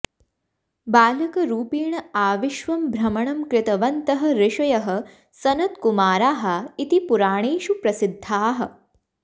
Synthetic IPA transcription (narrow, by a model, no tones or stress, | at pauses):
baːlɐkɐɾuːpiːɳɐaːʋiʃʋɐmbʱɾɐmɐɳɐmkɾɪt̪ɐʋɐnt̪ɐɦɐ̆ɾɪʃɐjɐɦɐ̆ | sɐnɐt̪kumaːɾaːɦɐit̪ipuɾaːɳ̃eːʃupɾɐsɪd̪ʱːaːɦɐ̆